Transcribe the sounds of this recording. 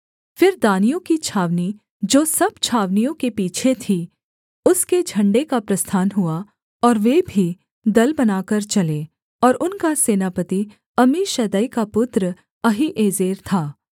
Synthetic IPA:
fɪɾd̪aːnijõkit͡ʃʰaːʋni | d͡ʒoːsɐbt͡ʃʰaːʋnijõkepiːt͡ʃʰet̪ʰi | ʊsked͡ʒʱɐ̃ɳɖekapɾɐst̪ʰaːnɦʊa | ɔːɾʋeːbʱi | d̪ɐlbɐnaːkɐɾt͡ʃɐleː | ɔːɾʊnkaseːnaːpət̪i | ɐmiʃɐd̪əikapʊt̪ɾə | ɐɦiʔeːzeːɾt̪ʰaː

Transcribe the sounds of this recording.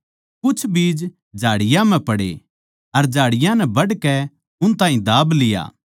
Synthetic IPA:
kʊt͡ʃʰbiːd͡ʒ | d͡ʒʱaːɽɪjãm̤ɛ̃pɐɽḛ | ɐɾd͡ʒʱaːɽɪjãnɛbɐɽkɛ | ʊnt̪ãːɦĩd̪aːblɪja̰ː

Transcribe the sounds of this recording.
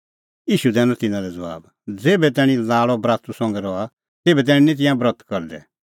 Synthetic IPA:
iːʃud̪ɛːnɔ̃t̪ɪnãɾɛd͡zɐʋa̰ːb | d͡zeːbɛt̪ɛːɽ̃ĩlaːɭɔbɾaːt̪usɔ̃ŋɡɛɾɔa | t̪eːbɛt̪̬ɛːɽ̃ĩnĩt̪̬ɪ̃jãbɾɔt̪ʰkɔɾd̪ɛ̰

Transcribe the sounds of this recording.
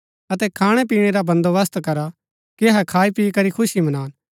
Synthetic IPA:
ɐt̪ɛkʰaːɽ̃ɛpiːɽ̃eɾabɐ̃nd̪oʋɐst̪kɐɾa | kiɐɦɛkʰaːipiːkɐɾikʰʊsimɐnaːn

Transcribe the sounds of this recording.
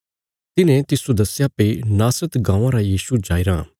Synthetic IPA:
t̪ɪnẽt̪ɪsod̪ɐsjapenaːsɾət̪ɡãːʋãɾajiːsud͡ʒaːiɾa̰ː

